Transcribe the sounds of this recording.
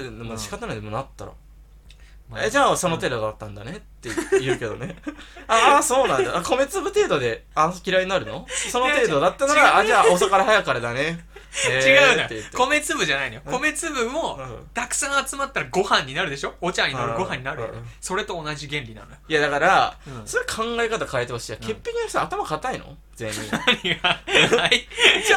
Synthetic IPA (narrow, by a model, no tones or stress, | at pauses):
nomoɕi̥kat̪ːanod̪monat̪ːa̰ɾa̰ | ed͡ʑaːso̞no̞t̪e̞ːd̪o̞d̪at̪ːãnd̪a̰ne̞t̪ːejɯ̟ːke̞d̪one̞aaso̞ːnãnd̪aʔako̞me̞t͡sɨbɯ̟t̪e̞ːd̪od̪e̞akʲiɾaiɲinaɾɯ̟no̞so̞not̪e̞ːd̪o̞d̪at̪ːanaɾaad͡ʑaːos̬akaɾahajakːaɾad̪aneet͡ɕiɡaɯːejɯːkome̞t͡sɨbɯ̟ʑanainojoko̞me̞t͡sɨbɯmo̞ɯ̃ːt̪akɯ̟̥sãŋat͡sɨmat̪ːaɾaɡo̞hãɲ̟ːinaɾɯ̟d̪e̞ɕo̞ot͡ɕãɲ̟ːinaɾɯ̟ɡo̞ɦãɲ̟ːinaɾɯ̟jo̰nso̞ɾe̞t̪o̞ːnaʑiɡẽ̞nɾʲinã̰nojojad̪akaɾasoɾekʰãŋɡaekat̪akaet̪ehosijakʰe̞pːek̟ʲiaçt̪at̪amakat̪aino̰ | d͡zẽ̞̰ɲːḭɲiɡai